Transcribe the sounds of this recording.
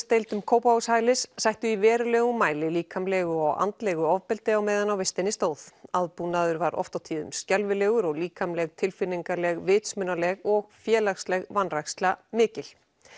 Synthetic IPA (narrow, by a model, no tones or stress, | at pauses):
st̪ejlt̪ʏmkʰoːwpaɣʏshaːjlɪsːajht̪ʏivɛːɾʏlɛːɣʏmːaːjlɪliːkʰamlɛːɣʏɔɣa̰nt̪lɛɣʏɔvpɛlt̪ɪawmeːjðanawvɪst̪ɪnːɪst̪oːwθaðpunaðʏɾvaɾʔɔ̰ft̪awt̪ʰiːðʏ̰mscalvɪlɛːɣʏɾɔɣliːkʰamlɛɣt̪ʰɪlfɪniŋkaɾlɛɣvɪːt̪smʏnalɛɣɔɣfjɛːlaxslɛɣvanraxst̪lamɪːcɪl̥